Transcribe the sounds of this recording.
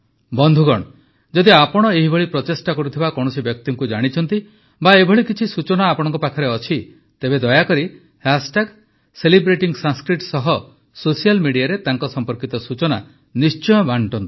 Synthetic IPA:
bɔnd̪ʱuɡɔɽ̃ɔ | d͡ʒɔd̪iapɔɽ̃ɔeɦibʱɔɭipɾɔt̪esʈakɔɾut̪ʰibakɔ̃ɔsibjɔk̚t̪ɔŋkud͡ʒaɽ̃it͡ʃʰɔnt̪i | baebʱɔɭikit͡ʃʰisut͡ʃɔnaːpɔɽ̃ɔ̃ŋkɔpakʰɔɾeɔt͡ʃʰi | t̪ebed̪ɔjakɔɾi | hasʈaɡ | selibɾeʈiŋsanskɾiʈsɔɦɔ | sosijalmiɽijaɾet̪aŋkɔsɔmpɔɾkit̪ɔsut͡ʃɔna̰ | nist͡ʃɔjɔbʱaɳʈɔnt̪i̥

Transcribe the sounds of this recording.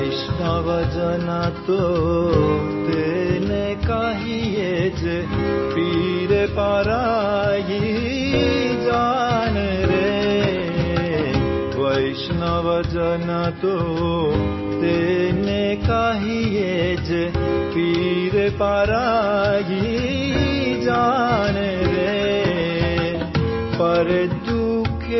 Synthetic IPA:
ɪʃnaʋəd͡ʒənat̪o | t̪ene | kaɦijed͡ʒe | pi | ɾepaɾaji | d͡ʒaneɾe | ʋəjʃnaʋəd͡ʒənat̪o | t̪enekaɦijed͡ʒepiɾepaɾaji | d͡ʒaɽ̃eɾe | pəɾed̪ukʰe

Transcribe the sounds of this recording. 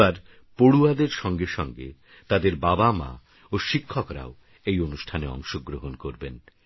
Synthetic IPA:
aɾ | poɽuad̪eɾʃɔŋɡeʃɔŋɡḛ | t̪ad̪eɾbabama̰ | oʃikʰːɔkɾa̰o | ejonuʃʈʰaneɔ̰ŋʃoɡɾoɦonkoɾben

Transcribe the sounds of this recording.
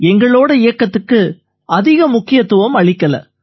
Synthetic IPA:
ɛŋɡɐɭoːɽɐɪjɐkːɐt̪ːɯkːɯ | ʔɐðɪɣɐmʊkːɪjɐt̪ːʊʋɐmɐɭɪkːɐlɐ̰

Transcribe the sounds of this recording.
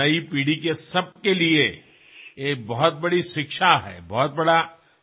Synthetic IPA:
ɐipiːɽikesɐb̚kelie | eːk̚bɔɦɔt̪̚bɐɽiʃɪkʃaɦɛ̰ːbɔːɔt̪̚bɐɽa

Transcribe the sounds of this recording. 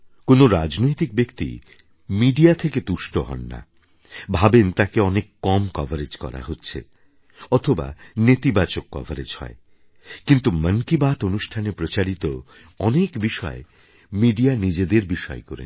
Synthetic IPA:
konoɾad͡ʑnojt̪ik̚bekt̪ḭ | miɖiat̪ʰeked̪uʃʈoɦɔ̰nːa̰ | bʱabent̪akeɔnekːɔmkɔvʱaɾed͡ʑkɔ̰ɾa̰ɦotːɕʰḛ | ɔt̪ʰoba̰net̪ibat͡ɕokːɔ̰vʱaɾed͡ʑhɔ̰e | kint̪umənkibat̪onuʃʈʰanepɾot͡ɕaɾit̪o | ɔnekbiʃɔ̰e | miɖianid͡ʑed̪eɾbiʃɔ̰ekoɾḛ

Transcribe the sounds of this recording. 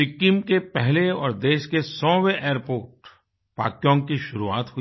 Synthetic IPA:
ɪkːɪmkepɛɦleɔːɾd̪eːʃkesɔ̃ːweʔeːəɾpoːɾʈ | pa̰ːkjɔ̃ːŋkiʃʊɾua̰ːt̪ɦʊi

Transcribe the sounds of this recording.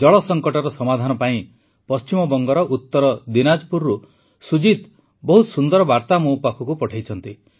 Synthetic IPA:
d͡ʒɔɭɔsɔŋkɔʈɔɾɔsɔmad̪ʱanɔpaĩ | pɔst͡ʃimɔbɔŋɡɔɾɔʔut̪ːɔɾɔd̪inad͡ʒpuɾːu | sud͡ʒit̪ | bɔɦusund̪ɔɾɔbaɾt̪amupakʰɔkupɔʈʰajt͡ʃʰɔnt̪i

